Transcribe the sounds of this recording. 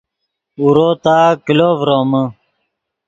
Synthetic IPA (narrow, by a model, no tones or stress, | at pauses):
uɾoːt̪aːkiloːvɾoːmə